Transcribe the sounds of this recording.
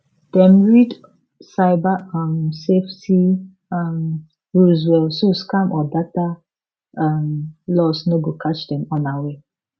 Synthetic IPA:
d̥ɛ̃mɹid | saɪbaamsefti | am | ɹuzwɛlsoskãmʔɔdata | amlɔsnoɡokʰat͡ʃdɛ̃mɔ̃nawe

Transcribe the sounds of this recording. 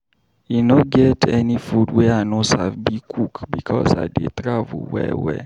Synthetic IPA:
inoɡɛtʰɛnĩfudwɛanõsafbikʰukbikʰɔsa̰dḛtɾavṵlwɛ̰wɛ̰

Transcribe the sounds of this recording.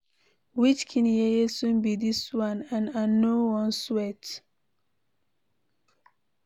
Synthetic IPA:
wit͡ʃkʰĩnjɛesũnbidiswãnãnanːowɔ̃nswɛt

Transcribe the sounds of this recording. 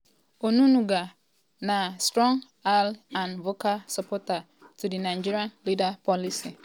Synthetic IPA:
onunuɡa | nastɾɔ̃ŋ | alãnvokalsapɔta | tudinad͡ʒiɾãnlidapɔlisi

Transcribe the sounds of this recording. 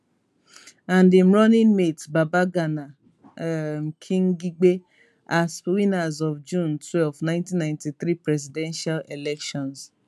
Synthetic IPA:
ãndim̩ɾɔnĩnmetbabaɡana | ŋ̩kʰĩŋ̩ɡiɡ͡be | aswinazɔfd͡ʒũntʰwɛlfnãɪ̃ntĩnːãj̃ntiθɾipɾɛzidɛ̃nʃalelɛkʃɔ̃ns

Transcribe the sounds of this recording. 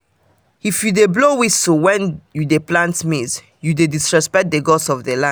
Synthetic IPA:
ifjudeblowisowɛ̃njudeplãntmiz | judedisɹɛspɛk̚d̪eɡɔsɔvdəlã

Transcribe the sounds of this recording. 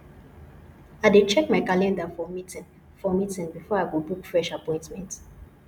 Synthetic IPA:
aɪdet͡ʃɛkmaɪkalɛ̃ndafɔmitĩn | fɔmitĩnbifɔaɡobukfɹɛʃapɔ̃ɪ̃ntmɛ̃nt

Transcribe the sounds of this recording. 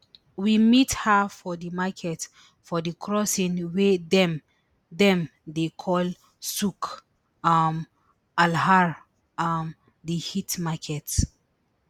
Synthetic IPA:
wimithafɔdimakʰɛt | fɔdikʰɹɔsĩnwedɛm | dɛ̃mdekʰɔl | suk | am | alɦaɹ | am | dihitmakʰɛt

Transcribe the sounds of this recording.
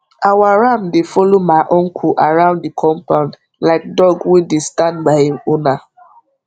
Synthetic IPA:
awaɹamdefɔlomaɪʔɔ̃nkʰuʔaɹãʊ̃nddikʰɔ̃mpãʊ̃nd | laɪk̚dɔɡwĩdestãndbahĩmona

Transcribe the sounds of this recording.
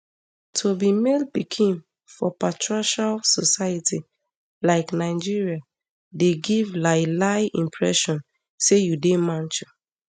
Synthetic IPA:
tʰobimelpikʰĩn | fɔpatʰɹaʃalsɔsajati | laɪknaɪd͡ʒiɹia | deɡivlaɪlaɪĩmpʰɹɛ̰ʃɔ̃n | sejudemãnt͡ʃu

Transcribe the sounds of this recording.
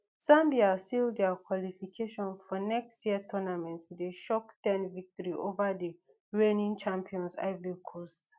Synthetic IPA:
sãmbiasildɛkʰwɔlifikʰeʃɔ̃nfɔnɛkstjiətʰɔnamɛ̃ntwideʃɔktɛ̃nvik̚tɔɹiʔovədi | ɹẽnĩŋt͡ʃãmpʰiɔ̃nsa̰ɪvikʰost

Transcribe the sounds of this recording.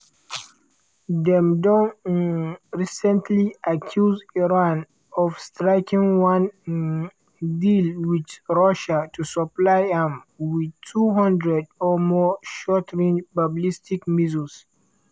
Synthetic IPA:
dɛ̃mdɔ̃n | ɹisɛ̃ntʰliʔakʰjuziɹãn | ɔvstɹaɪkʰĩŋwãn | dilwidɹaʃatʰusɔplaɪãm | widtʰuɦãndɹɛdɔmɔʃɔtʰɹĩnbablistikmizəls

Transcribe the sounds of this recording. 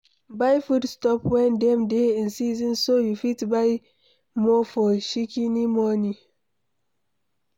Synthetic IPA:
bajfudstɔpwɛ̃ndɛ̃mdeĩnsizɔ̃nsojufitbaj | mɔfɔʃikinimɔni

